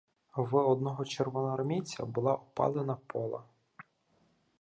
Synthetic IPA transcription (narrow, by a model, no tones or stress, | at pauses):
ʋɔd̪nɔɦɔt͡ʃerʋɔnɐɾmʲit͡sʲɐ̰bʊlˠɑʔɔpɑ̰lˠenɐpʰɔlˠɐ̰